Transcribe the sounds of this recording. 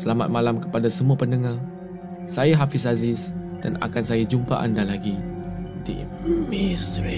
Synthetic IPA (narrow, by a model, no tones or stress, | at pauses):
səlama̰t̪̚malamkə̥padasəmũapəndəŋa | sajaɦafis̬azɪsd̥ana̰kansajad͡ʒumpa̰ʔandalaɡidḭ | misti